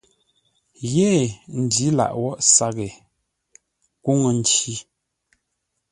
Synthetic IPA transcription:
jeː˦˨n̩˨di˨˦la̰˨ʔwɔ˦˨ʔsa˦ɣe˨ | ku˦ŋə˨n̩˨˦t͡ʃi˦

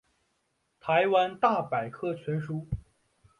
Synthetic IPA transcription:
t̪ʰa˧˥ɪwa˥nt̪a˥˩pa˨˩ɪkʰɤ˥˩t͡ɕʰɥɛ˧˥nʂu˥

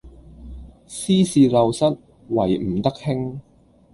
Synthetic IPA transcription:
siː˥siː˨˧lɐ˨wsɐ˥t̚ | wɐ˨˩jm̩˨˩t̪ɐ˥k̚hɪ˥ŋ

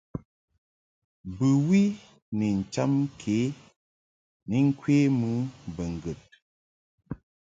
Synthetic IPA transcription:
bɨ˨wi˦ | ni˨n̩˨t͡ʃa˦m˦kʰe˨˦ | ni˨˦ŋ̩˦kwe˦mu˦bə˨ŋ̩˨ɡə˨t̚

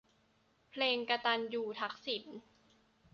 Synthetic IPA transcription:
pʰleː˧ŋka˧t̪a˧njuː˧˩t̪ʰa˦˥k̚si˨˩˦n

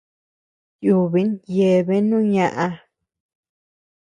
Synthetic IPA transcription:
ju˧βi˨˦nje˨βe˦nũ˦ɲã˧ʔa˧

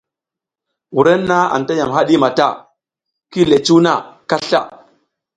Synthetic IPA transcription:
wu˨ɾe˦nːa˦a̰˨nta˦ja˨mɦa˦ɗi˦ma˨ta˦˨ | ki˦le˨t͡ʃu˦wna˦˨ka˦ɬa̰˦

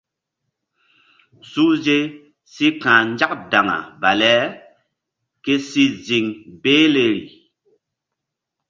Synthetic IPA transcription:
su˦ze˦ | si˦kãː˨n˦d͡ʒa˦k̚da˨ŋa̰˨ba˨lɛ˨˦ | ke˦si˦zi˨ŋbeː˦le˨ɾḭ˨

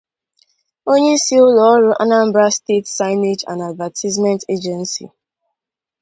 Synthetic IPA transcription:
o˦ɲe˦si˦ʊ˦lɔ˦ɾo˨ʔa̰˦na˦m̩˦bɾa˦ste˦tsa˦ɪne˦d͡ʒã̰˨nda˨dva˨tʰi˦zmɛ̃˦nte˦d͡ʒɛ˨nsḭ˨

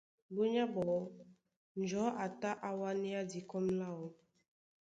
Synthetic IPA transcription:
bo˦ɲa˦bɔ˨ | n̩˨d͡ʒɔ˨˦ʔa˨ta˦ʔa˦wa˦ni˦a˦di˨kɔ˦mla˦˨wɔ˦

